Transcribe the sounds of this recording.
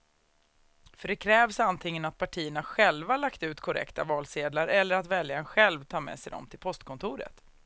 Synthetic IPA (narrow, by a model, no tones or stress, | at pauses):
fœɖɛkʰɾɛːvsant̪ʰɪŋːənat̪̚pʰaʈʰiːənaɧɛlvalakt̪ʉ̟ːt̪kʰɔɾɛ̰kt̪avɑːlseːd̪laɾʔɛlːəɾat̪vɛljaɛnɧɛlvt̪ʰɑːmɛ̰ːsɛjd̪ɔ̰mt̪ʰɪlpʰɔst̪kʰɔnt̪ʰuːɾə̰t̪